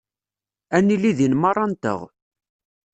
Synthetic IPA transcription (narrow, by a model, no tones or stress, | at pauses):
ænːilːiðinmɑrˤːɑnt̪ə̰ʁ